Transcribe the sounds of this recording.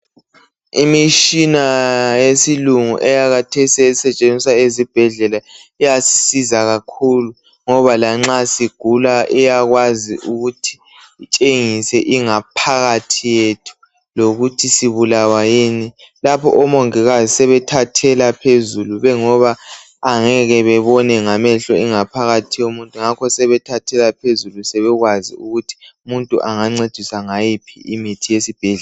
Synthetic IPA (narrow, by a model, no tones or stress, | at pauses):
imiʃinajesiluŋṵʔɛjaɣatʰesiɛsɛt͡ʃʼend͡zʱisaezib̥ʱɛɮɛlaijasi̥sizaɣakʰulu | ŋɔβalaŋ͡ǁasiɡ̥ʱulaʔɛjaɣwazḭʔuɣutʰi̥ː | t͡ʃʼeŋisɛʔiŋapʰaɣatʰijetʰu̥ | loɣutʰisiβulawajiːnilapʰɔ̰ʔɔmoŋiɣazisɛβɛtʰatʰɛlapʰezuluβɛŋɔβaː | ŋɛɣɛβɛβɔnɛŋamɛɬɔiŋapʰaɣatʰijomuntʼuŋakʰɔsɛβɛtʰatʰɛlapʰezulusɛβɛɣwazḭuɣutʰi̥umuntʼuʔaŋaŋ͡ǀed̥ʱisaŋajipʰḭʔimitʰijesib̥ʱiːɮ